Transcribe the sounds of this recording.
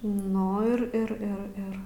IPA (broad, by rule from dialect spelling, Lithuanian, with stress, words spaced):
ˈnʊ ɪr ɪr ɪr ˈɪr